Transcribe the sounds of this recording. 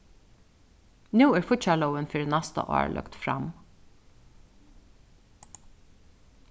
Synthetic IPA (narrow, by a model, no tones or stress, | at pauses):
nʉːæːɹfʊt͡ʃɛləʊənfɪɾnæst̪ə̰ʔo̰ːɹlʔœ̰kt̪fɾɑ̰m